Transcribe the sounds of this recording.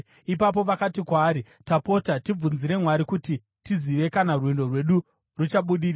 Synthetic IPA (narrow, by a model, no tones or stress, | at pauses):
ipap̬o̞ʋakatikwaːɾi | tapo̞tatib͡vunziɾe̞mwaɾikuti | tiziʋe̞kanarwindo̞rwe̞ɗu | rut͡ʃaɓuɗiːraa